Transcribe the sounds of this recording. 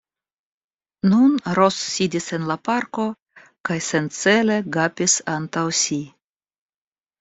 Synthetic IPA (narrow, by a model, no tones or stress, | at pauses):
nunɾo̞sːidise̞nlapaɾko̞ | kajse̞nt͡se̞le̞ɡapʲisant̪awsi